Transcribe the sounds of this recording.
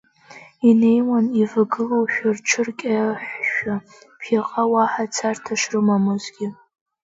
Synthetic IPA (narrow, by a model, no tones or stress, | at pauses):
ine̞jwanivɨɡɨlowʃᶣarʈ͡ʂʰɨrkʲʼaħʷʃᶣa | pʰjaqʼawaħat͡sʰartʰaʃrɨmamɨzɡʲɪ